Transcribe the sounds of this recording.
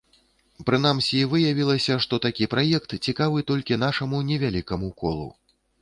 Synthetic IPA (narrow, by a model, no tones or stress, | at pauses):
pɾɨn̪amsʲivɨjavʲilˠɐsʲɐʂt̪ɔt̪akʲipɾajɛkt̪t͡sʲikavɨt̪ɔlʲkʲin̪aʂɐmunʲɛvʲalʲikɐmukɔ̰lˠṵ